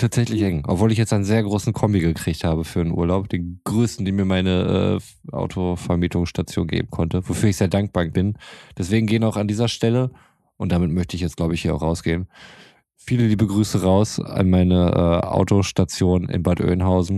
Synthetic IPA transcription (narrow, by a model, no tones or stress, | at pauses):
tʰaːtz̥ɛçlɪçʔɛŋʔɔ̰pv̥oːlɪç̬jɛt͡staɪnzeːɐɡʁoːsn̩kʰɔmbiɡəkʁ̥iːçthaːbəfyːɐdənʔṵɐlaʊp̚d̥eːnɡ̥ʁøːstn̩diːmiːɐmaɪnəʔɛ̰ː | ʔa̰ʊtʰofɛɐmiːtʰʊŋsʃtat͡sjo̰ːnɡḛːb̚m̩kʰɔntəvofyːɐɪçz̥eːɐdaŋk̚b̥aɐb̥ɪnd̥ɛsv̥eːɡŋ̩ɡeːənaʊxandiːzɐʃtɛlə | ʔʊntd̥amɪtmœçtəɪçjɛt͡stɡ̥laʊbəɪçhiːɐaʊχʁaʊsɡ̥eːən | fiːlədiːbəɡʁyːsəʁaʊsa̰nmaɪnəʔɛ̰ːʔa̰ʊtoʃtat͡sjoːnɪ̰nbaɐtʔø̰ːnɦaʊzn̩